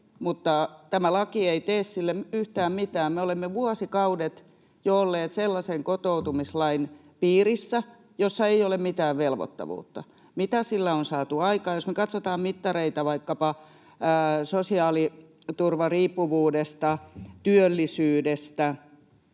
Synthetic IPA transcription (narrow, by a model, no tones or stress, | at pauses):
mut̪ːɑt̪æmælɑkieit̪eːssilːeyht̪æːmmit̪æːmmeolemːeʋuɑsikɑudet̪ | joolːeːt̪selːɑseŋkot̪out̪umislɑin | piːrisːæ | josːɑeiolemmit̪æːʋʋelʋo̰t̪ːɑ̰ʋṵːt̪ːɑ | mit̪æsilːæonsɑːt̪uɑikɑːjosmekɑt̪sot̪ɑːmmit̪ːɑreit̪ɑʋɑikːɑpɑ | sosiɑːlit̪urʋɑriːpːuʋuːdest̪ɑt̪yølːisyːdest̪æ